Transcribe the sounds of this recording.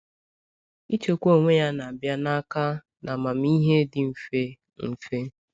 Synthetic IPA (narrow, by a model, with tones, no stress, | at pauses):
i˦t͡ʃo˦˨kʷo˦˨ŋʷe˦ja˦na˨a˨bja˦na˦ka˦ | na˨ma˨m̩˦i˦ɦe˦dɪ˨m̩˨fe˦ | m̩˨fe˦